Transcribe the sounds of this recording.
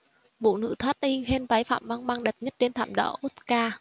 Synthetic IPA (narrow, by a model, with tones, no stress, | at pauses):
vṵ˧˨nɨ̰˧˥t̪ʰwaː˦˥t̚ʔi˧ɣe˧nva˨˦jfa̰ː˧˨mva˧ŋɓaː˧ŋɗe˨˩p̚ɲə˦˥t̚t͡ɕe˧nt̪ʰa̰ː˧˨mɗɔ̰ː˧˩ʔo˦˥t̪̚kaː˧